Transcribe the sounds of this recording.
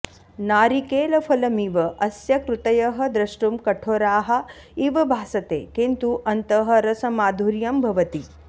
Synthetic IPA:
naːɾikeːlɐfʰɐlɐmiʋɐʔɐsjɐkɾut̪ɐjɐɦɐ̆d̪ɾɐʂʈumkɐʈʰoːɾaːɦɐ̆ | iʋɐbʱaːsɐt̪ḛːkint̪uʔɐnt̪ɐɦɐ̆ɾɐsɐmaːd̪ʱuɾjɐmbʱɐʋɐt̪i

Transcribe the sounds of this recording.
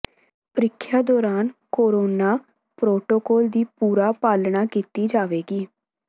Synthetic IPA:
pəɾɪkʰːjaːd̪ɔːɾaːnkoːɾoːnaː | pɾoːʈoːkɔːld̪iːpuːɾaːpaːlɳaːkiːt̪iːd͡ʒaːʋeːɡiː

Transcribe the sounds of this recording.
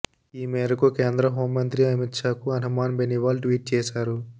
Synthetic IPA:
iːmeːɾɐkukeːnd̪ɾɐɦo̞ːmːɐnt̪ɾiɐmit̪ʂaːkuɐnɐmaːnbeniʋaːlʈʋiːʈ̚t͡ʃeːsaːɾu

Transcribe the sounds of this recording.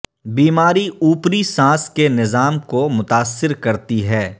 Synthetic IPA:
biːmaːɾiuːpɾisãːskenɪzaːmkomʊt̪aːsːɪɾkɐɾt̪iɦɛː

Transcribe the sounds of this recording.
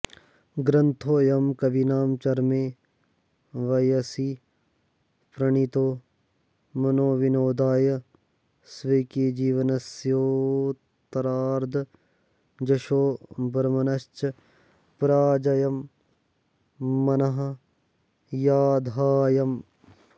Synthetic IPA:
ɡɾɐnt̪ʰoːjɐmkɐʋinaːmt͡ʃɐɾmeː | ʋɐjɐsi | pɾɐɳit̪oː | mɐnoːʋinoːd̪aːjɐ | sʋɐkid͡ʒiːʋɐnɐsjoː | t̪ɐɾaːɾd̪ | d͡ʒɐʃoːbɐɾmɐnɐst͡ʃɐ | pɾaːd͡ʒɐjɐm | ɐnɐɦɐ̆ | jaːd̪ʱaːjɐm

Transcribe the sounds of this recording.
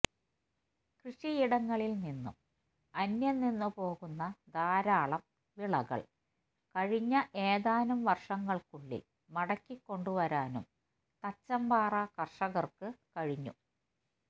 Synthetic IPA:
krɨʂijiɽɐŋːɐɭilninːṵm | ɐnjɐnːinːupo̞ːɣunːɐd̪aːɾaːɭɐm | ʋiɭɐɣɐ̰ɭ | kɐɻiɲːɐʔeːðaːnumʋɐrʂɐŋːɐɭkuɭːḭl | mɐɽɐkːikːo̞ɳɖuʋɐɾaːnṵm | t̪ɐt͡ɕːɐmbaːrɐkɐrʂɐɣɐrkɨkɐɻiɲːṵ

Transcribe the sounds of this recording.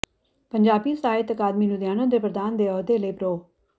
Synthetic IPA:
pəɲd͡ʒaːbiːsaːɪt̪əkaːd̪miːnũːd̪jaːnõːd̪eːpɾəd̪aːnd̪eːoːd̪eːləiːpɾoː

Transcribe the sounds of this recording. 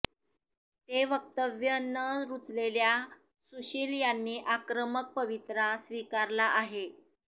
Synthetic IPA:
t̪eʋək̚t̪əʋjənːəɾut͡slelja | suɕiːljanːiːʔakɾəmək̚pəʋit̪ɾasʋikaɾlaʔaɦe

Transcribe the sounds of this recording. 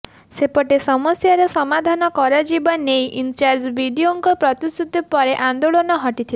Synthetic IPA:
sepɔʈesɔmɔsjaɾɔsɔmad̪ʱanɔkɔɾad͡ʒibanejʔint͡ʃaɾd͡ʒbʱiɖioŋkɔpɾɔt̪ist̪ʰut̪ipɔɾeʔand̪oɭonɔɦɔʈit̪ʰile

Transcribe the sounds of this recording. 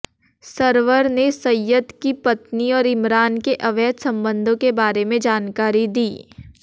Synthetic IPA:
sɐɾʋəɾnesɐjːəd̪kipɐt̪niɔːɾɪmɾaːnkeʔɐʋɛːd̪sɐ̃mbə̃nd̪ʱõkebaːɾemẽd͡ʒaːnkaːɾid̪iː

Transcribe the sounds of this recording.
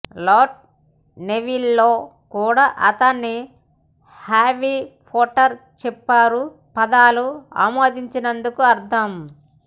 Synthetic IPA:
loːɾʈ̚ | neʋilːoːkuːɽaːʔɐt̪ɐnːi | haːʋipʰoːʈɐɾt͡ʃɛpːaːɾu | pɐd̪aːlua̰ːmoːd̪iɲt͡ʃinɐnd̪ukuɐɾt̪ʰɐm

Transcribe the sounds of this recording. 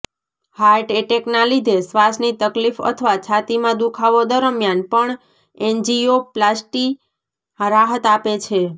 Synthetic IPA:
haɾʈeʈeknãlid̪ʱesʋasnit̪əklifə̰t̪ʰəʋat͡ʃʰat̪imãd̪ukʰaʋod̪əɾəmjanpəɳ | end͡ʒioplasʈi | ɾaɦət̪apet͡ʃʰe

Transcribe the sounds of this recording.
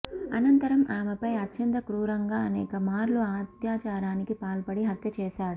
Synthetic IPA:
ɐ̰nɐnt̪ɐɾɐmʔaːmɐpɐjɐt͡ʃːɐnt̪ɐkɾuːɾɐŋɡaːɐnɛːkɐmaːɾluaːt̪jaːt͡ʃaːɾaːnikipaːlpɐɽiɦɐt̪ʰjɐt͡ʃɛːsaːɽu

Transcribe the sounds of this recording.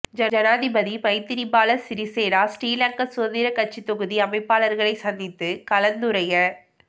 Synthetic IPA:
d͡ʒɐd͡ʒɐnaːðɪbɐðipɐɪt̪ːɪɾɪmbaːlɐsɪɾiseːɾaːsʈiːlɐɳkɐsoɐnðɪɾɐkɐʈ̚t͡ʃit̪ːɔɣɯðiɐmɐɪpːaːlɐɾɣɐɭɐɪsɐnd̪ɪt̪ːɯkɐlɐnd̪ɯɾɐjɐ

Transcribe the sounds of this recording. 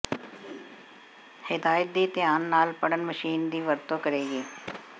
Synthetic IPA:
hɪd̪aːjət̪̚d̪iːt̪ɪjaːnːaːlpəɽənməʃiːnd̪iːʋəɾt̪oːkəɾeːɡiː

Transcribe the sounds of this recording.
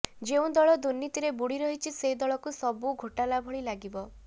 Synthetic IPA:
d͡ʒeũd̪ɔɭɔd̪uɾnːit̪iɾebuɽiɾɔɦit͡ʃʰised̪ɔɭɔkusɔbuɡʱoʈalabʱɔɭilaɡibɔ

